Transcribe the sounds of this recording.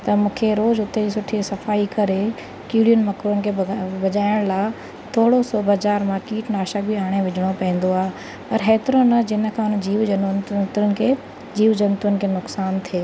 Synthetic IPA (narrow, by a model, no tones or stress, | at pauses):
t̪ɐmũːkʰeɾoːzɦʊt̪ed͡ʑisʊʈʰisɐfaːikɐɾe | kiːɽijʊnɪ̆mɐkɾənɪ̆kʰebɐd͡ʑaːɪɽ̃laː | t̪ʰoːɽosɔːbʱɐd͡ʑaːɾmãkiːʈnaːʃək̚bʱiaːɽ̃eʋɪd͡ʑʱɪɽ̃opɐ̃ĩːn̆d̪oaːɦe | pɐɾɦɛːt̪ɪɾonɐd͡ʑɪnə̆kʰãʊnd͡ʑiːʋɐt̪ənɪ̆kʰe | d͡ʑiːʋd͡ʑɐnt̪ənɪ̆kʰeːnʊksaːnt̪ʰieː